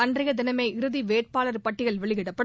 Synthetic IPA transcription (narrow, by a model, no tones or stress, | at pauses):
ɐndrɐɣɐd̪ɪnɐmeɪʔɪɾɯðiʋeːʈ̚paːlɐɾpɐʈːɪɣɐɭʋɛɭɪɣɪɽɐpːɐɽ